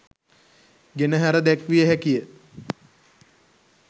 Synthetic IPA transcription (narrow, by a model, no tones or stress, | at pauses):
ɡenəɦæɾəd̪ækʋijəɦækijə